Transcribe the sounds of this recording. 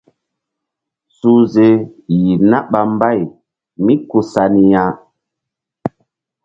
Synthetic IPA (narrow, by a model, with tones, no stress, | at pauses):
su˦ze˦ji˨na˦ɓa˨m˦ba˦˨j | mi˦ku˨sa˨ni˦jã˦